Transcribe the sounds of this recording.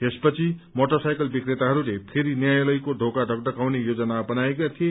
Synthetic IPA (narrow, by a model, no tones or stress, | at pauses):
espʌt͡sʰimoʈosajkʌlbikɾet̪aɦʌɾulepʰeɾinjajlʌjkod̪ʱokaɖʱʌɡ̚ʈʌkawnejod͡zʌnabʌnajekat̪ʰije